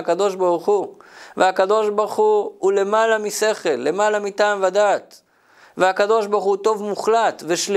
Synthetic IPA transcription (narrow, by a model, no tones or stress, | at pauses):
akad̪o̞ʃbaʁuχuveakad̪o̞ʃbaʁχuhule̞malamise̞χe̞lːemalamit̪amvad̪aːt̪ | veakad̪o̞ʃbaʁχut̪o̞vmuχlat̪veʃl